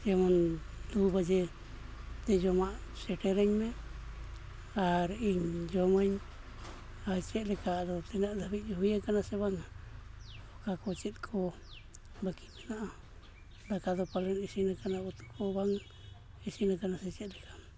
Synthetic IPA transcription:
d͡ʒemand̪ubad͡ʒe | t̪ɛd͡ʒɔmaʔsɛʈɛɾɛɲme | aɾiɲd͡ʒomaɲ | at͡ʃɛʔlɛkad̪ot̪ɛnaʔd̪abid͡ʒoɦijakanaseβaŋa | okakot͡ʃɛt̪̚kʰo | bakit̪inaʔa | d̪akad̪opalɛnisinakanaut̪u̥kʰobaŋ | isinakanasɛt͡ʃɛt̪lɛka

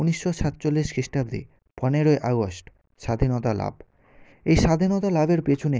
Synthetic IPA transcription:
uniʃːoʃat̪t͡ɕolːiʃkɾiʃʈabd̪ḭ | pɔneɾoeʔaɡosʈ | ʃad̪ʱinɔt̪ala̰b | ejʃad̪ʱinɔt̪alabeɾpet͡ɕʰune

